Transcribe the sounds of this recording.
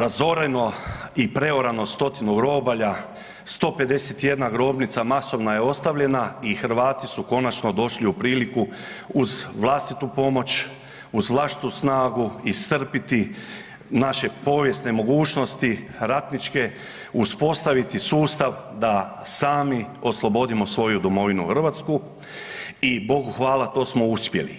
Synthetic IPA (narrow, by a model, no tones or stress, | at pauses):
ɾazo̞ɾeno̞ipɾe̞oɾano̞st̪o̞t̪inuɡɾo̞ːbaʎa | st̪o̞ːpe̞d̪e̞set̪je̞d̪naɡɾo̞ːbnit̪samaso̞ʋnaje̞o̞st̪aʋʎe̞naixɾ̩ʋaːt̪isuko̞nat͡ʃno̞d̪o̞ʃliupɾiːliku | uzʋlˠast̪it̪upo̞mo̞t͡ʃ | uzʋlˠaʃt̪i̥t̪usnaːɡuist̪r̩pit̪i | naʃe̞po̞ːʋje̞st̪ne̞mo̞ɡuːt͡ʃno̞st̪iɾat̪nit͡ʃke̞ | uspo̞st̪aʋit̪isuːst̪aʋd̪a | saːmio̞slˠo̞bo̞d̪imo̞sʋo̞jud̪omo̞ʋinuxr̩ʋat̪sku | ibo̞ɡuxʋaːlat̪o̞ːsmo̞uspje̞̰lḭ